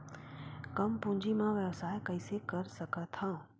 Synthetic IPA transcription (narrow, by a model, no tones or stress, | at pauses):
kɐmpʊ̃ːɲd͡ʑimãʋjəʋsaːjkɐɪsekɐɾsɐkʰat̪ʰãː